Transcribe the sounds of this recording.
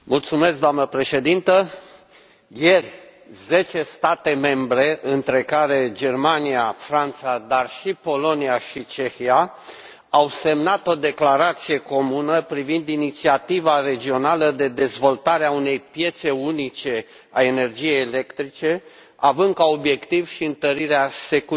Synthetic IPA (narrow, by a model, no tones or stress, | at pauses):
mult̪sume̞sk̚d̪oamnəpɾe̞ʃe̞d̪int̪ə | jerʲ | ze̞t͡ʃe̞st̪at̪e̞me̞mbɾe̞ʔɨnt̪ɾe̞kaɾe̞d͡ʒe̞rmaniafɾant̪sad̪arʃipo̞lo̞niaʃit͡ʃe̞xia | awse̞mnat̪o̞d̪e̞klaɾat̪sije̞ko̞munəpɾivind̪init̪siat̪ivaɾe̞d͡ʒio̞naləd̪e̞d̪e̞zvo̞lt̪aɾeaune̞jpje̞t̪se̞unit͡ʃe̞ | ae̞ne̞rd͡ʒije̞jele̞kt̪ɾit͡ʃe̞ | avɨnd̪̚kao̞bje̞kt̪ivʃiɨnt̪əɾiɾease̞ku